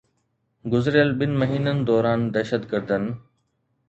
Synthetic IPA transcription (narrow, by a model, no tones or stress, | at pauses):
ɡʊzɾjəlɓɪnɪ̆mɐɦiːnənɪ̆d̪ɔːɾaːnd̪ɛːʃət̪ɡəɾd̪ənɪ̆